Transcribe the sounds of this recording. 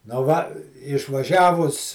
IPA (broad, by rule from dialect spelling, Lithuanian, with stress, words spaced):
nʊ ˈʋɐ ɪʃʋɐˈʒʲæːʋʊs